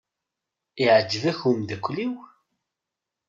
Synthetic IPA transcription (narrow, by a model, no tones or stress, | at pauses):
iʕəd͡ʒːəvæçʊmðækʷːliw